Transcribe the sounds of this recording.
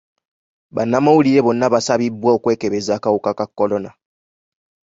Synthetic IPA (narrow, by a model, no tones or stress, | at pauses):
βa̰namawuliɾeβonːaβasaβibwaokwe̞ːkeβezakaukakakːolona